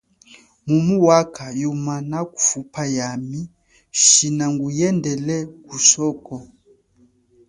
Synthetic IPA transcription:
mumuwakʰajumanaku̥fupajami | ʃinaŋɡujɛndɛlɛkusɔkɔ

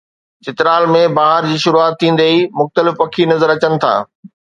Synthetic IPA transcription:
t͡ɕɪt̪ɪɾaːlmẽbaːɦəɾd͡ʑiːʃʊɾuaːt̪ʰːĩːn̆d̪eimʊxt̪əlɪfpɐkʰinɐzəɾɐt͡ɕənɪ̆t̪ʰa̰ː

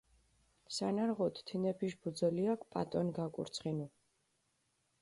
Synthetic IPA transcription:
sanaɾʁɔt̪ʰt̪ʰinɛpʰiʃbud̪zɛliakʰpʼa̰t̪ʼɔnɡakʼṵɾt̪sʰχinu

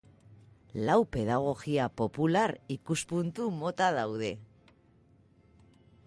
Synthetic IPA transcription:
lawpe̞ðaɣ̞o̞ɣiapo̞pulaɾikuspunt̪umo̞t̪aðawðe̞

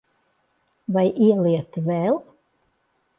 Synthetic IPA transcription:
vajʔiɛliɛt̪vɛl

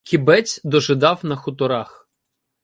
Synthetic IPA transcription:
kʲibɛt͡sʲd̪ɔʒɪd̪ɑwnɐxʊt̪ɔɾɑx

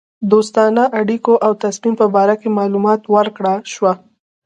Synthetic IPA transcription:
d̪ost̪ɑnaʔaɽikoʔawt̪asmimpəbɑɾakemɑlumɑt̪wəɾkɽaʃwa

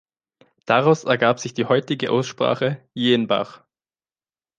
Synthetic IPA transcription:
d̥aʁaʊsɛɐɡaːpz̥ɪçd̥iːhɔʏtɪɡəʔa̰ʊsʃpʁ̥a̰ːχəjeːənba̰χ

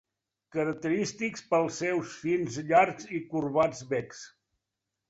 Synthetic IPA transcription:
kəɾək̚t̪əɾist̪ikspəlˠsɛwsfinzʎaɾzikuɾβad͡zβɛks

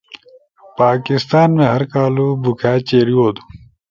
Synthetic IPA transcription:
paːkɪst̪aːnmẽːɦɐɾkaːlubukʰaːt͡ɕeːɾioːd̪u̥

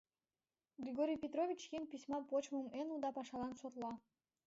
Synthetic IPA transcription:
ɡrʲiɡoɾʲijpʲet̪ɾovʲit͡ɕjʲinʲpʲisʲmɑpot͡ɕmomenud̪ɑpɑʃɑlˠɑnsorlˠɑ

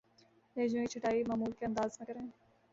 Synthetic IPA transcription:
leːd͡ʒõkit͡ʃʰʊʈaːimaːmuːlkeɐ̃nd̪aːznẽkəɾẽː

